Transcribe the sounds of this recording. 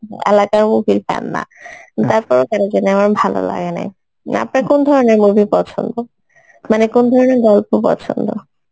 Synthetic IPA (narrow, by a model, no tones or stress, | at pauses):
ɛ̰lakaɹmubilpa̰nːa̰t̪aɹpɔɹokanozɛnamanbʱalo̰la̰ɡena̰j | a̰pnaɹkonɔd̪ʱɔɹɔneɹmubʱipɔt͡ʃʰɔ̰nd̪o | manekond̪ʱɔɹɔneɹɡɔlpopɔ̰t͡ɕʰɔ̰nd̪o